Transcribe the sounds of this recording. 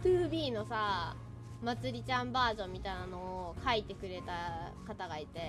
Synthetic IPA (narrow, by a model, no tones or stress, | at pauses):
t̪ɯːbʲiːno̞sa | mat͡sɨɾʲit͡ɕãmbaːʑõ̞mʲːit̪ainano̞ːkʰait̪e̞kɯ̟ɾe̞t̪akat̪aɡait̪e̞